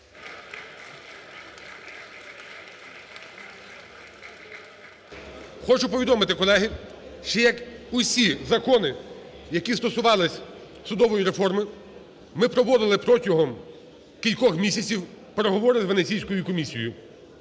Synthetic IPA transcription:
xɔt͡ʃʊpɔʋʲid̪ɔmɪt̪ɪkɔlˠɛɦɪ | ʃt͡ʃɛjɐkʊsʲizɐkɔnɪ | jɐkʲist̪ɔsʊʋɑlˠɪsʲ | sʊd̪ɔʋɔjiɾefɔrmɪ | mɪpɾɔʋɔd̪ɪlˠɪpɾɔtʲɔɦɔm | kʲilʲkɔxmʲisʲɐt͡sʲiw | peɾeɦɔʋɔɾɪzʋenet͡sʲijsʲkɔjʊkɔmʲisʲijʊ

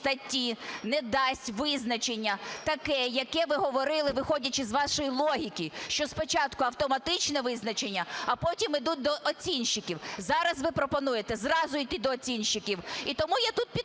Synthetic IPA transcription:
t̪ɐtʲːinɛd̪ɑsʲtʲʋɪznɐt͡ʃenʲːɐt̪ɐkɛjɐkɛʋɪɦɔʋɔɾɪlˠɪʋɪxɔdʲɐt͡ʃɪzʋɑʃɔjilˠɔɦʲikʲiʃt͡ʃɔspɔt͡ʃɑt̪kʊɐwt̪ɔmɐt̪ɪt͡ʃnɛʋɪznɐt͡ʃenʲːɐɐpɔtʲimɪd̪ut̚ʲd̪ɔʔɔt͡sʲinʃːɪkʲiwzɑɾɐzʋɪpɾɔpɔnujet̪ɛzrɑzʊid̪ɪd̪ɔːt͡sʲinʃːɪkʲiwit̪ɔmujat̪ut̪̚pʲi

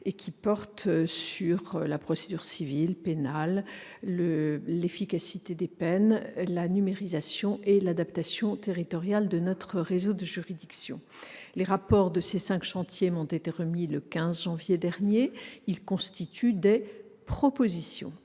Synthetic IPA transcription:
ekʲipɔʁt̪syʁlapχɔsed̪yʁsivilpenal | əlefikasit̪ed̪epɛnlanymeʁizasjɔ̃ʔelad̪apt̪asjɔ̃t̪eʁit̪ɔʁjald̪ənɔt̪χəʁezod̪əʒyʁid̪iksjɔ̰̃ | leʁapɔʁd̪əsesɛ̃kʃɑ̃t̪jeɔ̃t̪et̪eʁəmiləkʲɛ̃zʒɑ̃vjed̪ɛʁnjeilkɔ̃st̪it̪ʰyd̪ɛ | pχɔpozisjɔ̰̃

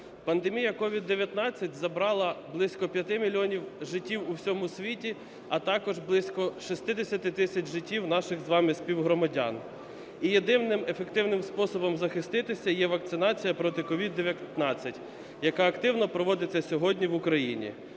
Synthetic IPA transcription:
pɐnd̪emʲijɐkɔʋʲid̪ːeʋʲjɐt̪nɑt͡sʲːɐt̚ʲzɐbɾɑlˠɐblˠɪsʲkɔpʲjɐt̪ɪmʲilʲɔnʲiwʒɪtʲːiwuwsʲɔmʊsʲʋʲitʲi | ɐt̪ɑkɔʒblˠɪsʲkɔʃist̪ɪd̪esʲɐt̪ɪt̪ɪsʲɐt͡ʃʒɪtʲːiwnɑʃɪxzʋɑmɪsʲpʲiwɦɾɔmɐdʲɑ̰n | ijed̪ɪwnɪmefekt̪ɪwnɪmspɔsɔbɔmzɐxɪst̪ɪt̪ɪsʲɐjɛʋɐk̪sɪnɑt͡sʲijɐpɾɔt̪ɪkɔʋʲid̪ːeʋʲjɐt̪nɑt͡sʲːɐtʲ | jɐkɑɐkt̪ɪwnɔpɾɔʋɔd̪ɪt͡sʲːɐsʲɔɦɔdʲnʲiʋʊkɾɐjinʲḭ

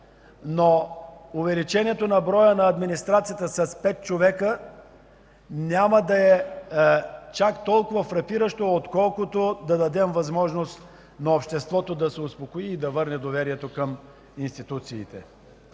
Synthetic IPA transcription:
noʊvɛlit͡ʃɛniɛt̪onɐbɾɔjənɐːd̪minist̪ɾat̪sijət̪əsɐspɛt̪̚t͡ʃovɛkə | nʲaməd̪ɐɛ | t͡ʃakt̪ɔlˠkʊvɐfɾɐpiɾəʃt̪oot̪kɔlˠkot̪od̪ɐd̪ɐd̪ɛmvɐzmɔʒnost̪ | nɐopʃt̪ɛst̪vɔt̪od̪ɐsɛospokoiːd̪ɐvɤɾnɛd̪ovɛɾiɛt̪okəm | inst̪it̪ut̪siːt̪ɛ̰

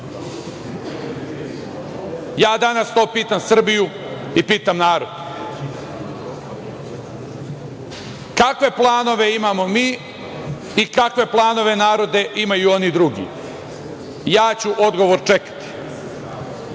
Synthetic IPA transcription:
jaːd̪anast̪o̞ːpiːt̪amsr̩biju | ipiːt̪amnaːɾo̞d̪ | kakʋe̞plˠaːno̞ʋe̞imaːmo̞miː | ikakʋe̞plˠaːno̞ʋe̞naːɾo̞d̪e̞ʔimajuo̞nid̪ɾuɡḭ | jaːt͡ɕuʔo̞d̪ɡo̞ʋoɾt͡ʃe̞kḁt̪i̥

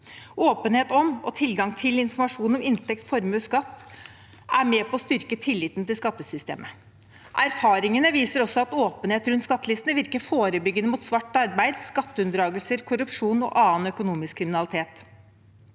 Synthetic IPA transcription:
oːpənheːt̪ɔmɔt̪ʰɪlɡɑŋt̪ʰɪlɪnfɔɾmɑʂuːnɔmɪnt̪ɛkt̪fɔɾmʉskɑt̪ː | æɾmeːpʰɔɔst̪ʏɾkət̪ʰɪlːiːt̪nt̪ɪlskɑt̪ːəsʏst̪ḛːmʔə | ʔæɾfɑːɾɪŋənəʋiːsəɾɔsːɔɑt̪oːpənheːt̪ɾʉnt̪skɑt̪ːəlɪst̪nəʋɪɾkəfoːɾəbʏɡːənəmuːt̪sʋɑʈːɑɾbæɪd̪skɑt̪ːəʉnd̪ɾɑːɡəlsəɾkʰʊɾʉpʂuːnɔ̰ʔɑːənœkʊnuːmɪskʰːɾɪmɪnɑlɪt̪ʰeːt̪

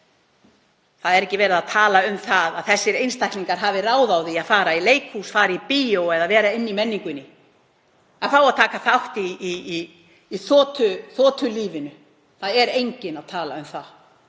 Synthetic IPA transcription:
θaðɛɾɛcːɪvɛːɾɪðaðt̪ʰaːlaʏmθaðaðθɛsːɪɾejnst̪ʰajhkniŋkaɾɦaːvɪraːwðawðiaðfaːɾaileːjkhusfaːɾipiowɛðaðvɛːɾaɪnːimɛnːiŋkʏnːɪ | afaːwaðt̪ʰaːkaθawht̪iː | θɔːt̪ʰʏθɔːt̪ʰʏliːvɪnʏ | θaðɛɾejɲcɪnaðt̪ʰaːlaʏmθað

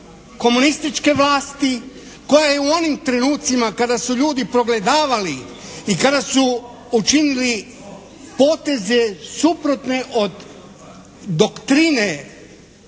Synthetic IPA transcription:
ko̞munist̪it͡ʃke̞ʋlaːst̪i | ko̞jajeuo̞nimt̪ɾe̞nuːt̪simakad̪asuʎuːd̪ipɾo̞ɡle̞d̪aːʋali | ikad̪asu | ut͡ʃinili | po̞ːt̪e̞ze̞supɾo̞t̪ne̞ʔo̞d̪ | d̪o̞kt̪ɾine

